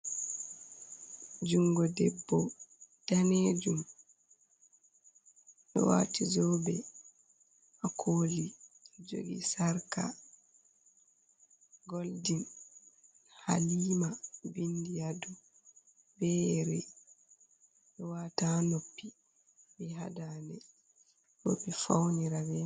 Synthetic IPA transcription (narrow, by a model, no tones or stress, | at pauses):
d͡ʒuŋɡɔdɛbːɔd̥aned͡ʒum | ɗɔ̰wa̰ːtizɔbɛ | ʔakʰoːlid͡ʒo̰ɡḭsaɾka̰ | ɡoldin | ha̰liːmabindijadu | bɛɾɛ | ʔɛwaːtanopːi | biɦa̰danɛ | no̰pːifawniɾabɛ